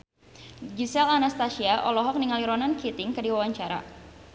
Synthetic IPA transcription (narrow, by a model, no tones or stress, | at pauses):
d͡ʒisɛlanast̪asiaʔɔlɔɦɔk̚niŋaliɾɔnankit̪ɪŋkədiwawaɲt͡ʃaɾa̰